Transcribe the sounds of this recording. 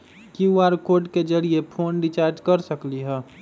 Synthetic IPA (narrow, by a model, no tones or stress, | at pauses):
kiuaɾkoːɖked͡ʒəɽiepʰoːnɖit͡ʃaːɾd͡ʒkɐɾsəkliɦɛː